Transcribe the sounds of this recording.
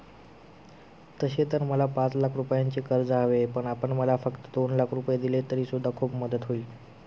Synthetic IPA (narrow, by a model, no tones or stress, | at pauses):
t̪əɕet̪əɾməlapãt͡slakʰɾupjaɲt͡ɕiːkəɾd͡zaʋepəɳapəɳməlafəkt̪əd̪onlakʰɾupjed̪ilet̪əɾiːsud̪ʱːakʰuːpməd̪ət̪ɦoiː